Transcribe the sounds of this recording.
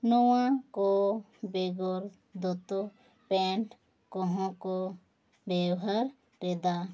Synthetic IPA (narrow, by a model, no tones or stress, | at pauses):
nowãko | beɡoɾ | d̪ot̪o | pẽːɳʈ | koɦõko | beːɦəɾ | ɾeːd̪aː